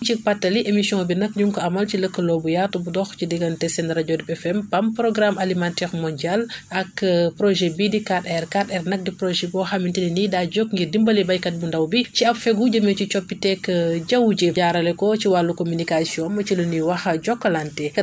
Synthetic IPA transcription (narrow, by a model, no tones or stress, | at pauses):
t͡ʃipatːɐliʔemisiɔ̃ŋbinɐkɲuŋkɔɐmɐlciləkːəlɔːbujatubudɔxcidiɡɐntɛsɛndɾaɟɔdipɛfɛmpɐmpɾɔɡɾamʔalimantɛɾmɔndialɐkːpɾɔʒɛbidikatɛrkatɛrnɐk̚dipɾɔʒɛbɔxɐmintininidaːɟɔkŋɡirdimbɐlibɐjkɐt̚bundɐwbiciɐpfɛɡuɟɐmɛcit͡ʃɔpːitɛkːɟɐwɟeɟaːɾɐlɛkɔciwalːukomynikasiɔ̃nmɐt͡ʃiluniwɐxɐɟɔkːɐlantɛ